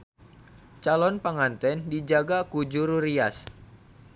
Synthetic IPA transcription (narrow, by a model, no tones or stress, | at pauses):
t͡ʃalɔnpaŋant̪ɛndid͡ʒaɡakud͡ʒuɾuɾias